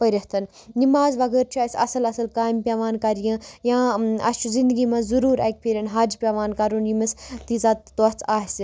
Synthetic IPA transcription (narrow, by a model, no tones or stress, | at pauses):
pɐɾʲɐht̪ɐn | nimaːzʋɐɡəːɾt͡ʃʰiaːsʲɐ̰sɐlɐsɐlkaːjmpʲaʋaːnkɐɾjɐ̃jãːɐ̰st͡ʃʰuzĩnd̪ɨɡiːmɐ̃zuɾuːɾek̚pʲiɾʲɐnɦɐːd͡ʒpʲaːʋaːnkɐɾunjimɐst̪izat̪t̪ot͡sʰaːɦsi